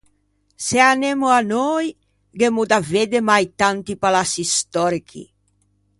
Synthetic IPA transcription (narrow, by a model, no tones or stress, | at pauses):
seanemuanɔj | ɡemud̪aved̪emajt̪ant̪ipalasist̪ɔɾikʰḭ